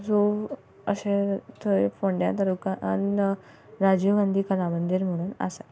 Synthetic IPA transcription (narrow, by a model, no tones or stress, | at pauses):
d͡zo | əɕet̪ʰoepoɳɖja̰t̪əɾukãʔan | ɾad͡ʑuɡãnd̪ʱiːkəlamənd̪iɾm̤əɽ̃uːnə̰sa